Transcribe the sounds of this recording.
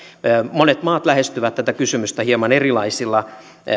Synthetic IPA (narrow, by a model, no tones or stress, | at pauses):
monet̪mɑːt̪læhest̪yʋæt̪t̪ːæt̪ækysymyst̪æhiemɑnerilɑisilːɑ